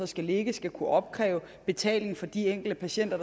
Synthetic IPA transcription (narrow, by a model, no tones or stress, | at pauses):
ɒ̽sɡ̥æle̝ɡ̥əsɡ̥ækʰuʔɒ̽b̥̚kʰʁɛ̰ːʊ | b̥e̝t͡sʰɛ̰ːle̝ŋfɒ̽d̥ieŋ̰ɡ̥l̩d̥əpʰæɕen̰d̥ɐd̥